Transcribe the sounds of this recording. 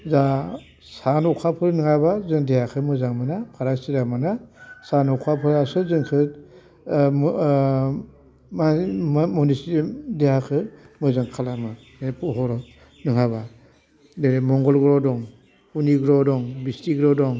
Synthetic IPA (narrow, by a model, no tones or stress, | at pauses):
za | sanɔkʰapʰɯɾnɯŋabazɯŋdejakʰɯmɯzaŋmanapʰaɾaksiɾamanasanɔkʰapʰɯɾasɯzɯŋkʰɯ | mamɔnisdejakʰɯmɯzaŋkʰalama | nepʰɔɦɔɾɔ | nɯŋaba | deɾemɔŋɡɔlɡɾɔdɔŋ | uniɡɾɔdɔŋbistiɡɾɔdɔŋ